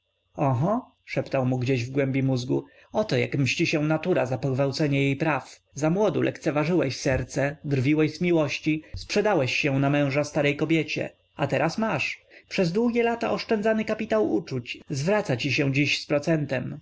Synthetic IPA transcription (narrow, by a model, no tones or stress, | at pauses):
ɔɦɔ | ʂɛpt̪awmuɡd͡ʑeʑvɡwɛmbʲjimuzɡṵ | ɔt̪ɔja̰kmɕt͡ɕiɕɛnat̪uɾazapɔɡvawt̪sɛɲɛjejpɾaf | zamwɔd̪ṵlʔɛ̰kt̪sɛvaʐɘwɛɕsɛɾt̪sɛd̪ɾvʲiwɛɕzmʲiwɔɕt͡ɕispʂɛd̪awɛɕːɛ̃namɛ̃w̃ʐast̪aɾɛjkɔbʲjet͡ɕɛ̰ | at̪ɛɾasmaʂpʂɛzd̪wuɡʲjɛlat̪aʔɔʂt͡ʂɛnd̪zanɘkapʲit̪awut͡ʂut͡ɕzvɾat̪sat͡ɕiɕɛw̃d͡ʑiɕspɾɔt̪sɛnt̪ɛm